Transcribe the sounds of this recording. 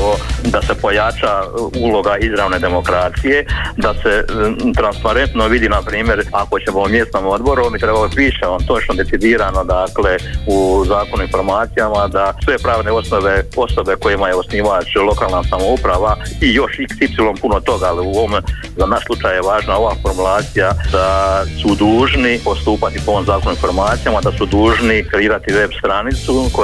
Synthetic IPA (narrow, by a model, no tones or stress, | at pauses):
od̪ase̞po̞jat͡ʃauːlo̞ɡaizɾaːʋne̞ːd̪e̞mo̞kɾaːt̪sije̞d̪ase̞t̪ɾanspaɾe̞nt̪no̞ʋid̪inapɾiːmje̞ɾakot͡ɕe̞moumjest̪nomo̞d̪bo̞ɾuomit̪ɾebalot̪iʃeont̪o̞t͡ʃnod̪e̞tsid̪iːɾano̞d̪aːkle̞uzaːkonuinfo̞ɾmaːt̪sijamad̪asʋe̞pɾaːʋne̞o̞sno̞ʋe̞o̞so̞be̞ko̞jimajeo̞sniːʋat͡ʃlˠo̞kaːlˠnasamo̞upɾaʋaijo̞ʃiksipsilo̞mpunot̪o̞ɡaaliuom | zanaʃslˠut͡ʃaːjjeʋaːʒnao̞ʋaːfo̞ɾmulˠaːt̪sijad̪̥asud̪uːʒnipo̞st̪uːpat̪ipooːmzaːko̞nuinfoɾmaːt̪sijamad̪asud̪uːʒnikɾeiːɾat̪iʋe̞bst̪ɾanit̪suko